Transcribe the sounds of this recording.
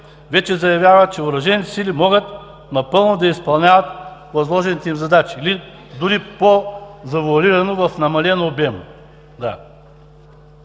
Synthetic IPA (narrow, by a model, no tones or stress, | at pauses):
vɛt͡ʃɛzɐjɐvʲjavɐt͡ʃɛʊɾɐʒɛnit̪ɛsilimɔɡət̪ | nɐpɤlˠnod̪ɐispɐlˠnʲavɐt̪vɐzlˠɔʒɛnit̪ɛimzɐd̪at͡ʃili | d̪ʊɾipozɐvuɐliɾɐnovɐfnɐmɐlɛnoːbɛm | d̪a̰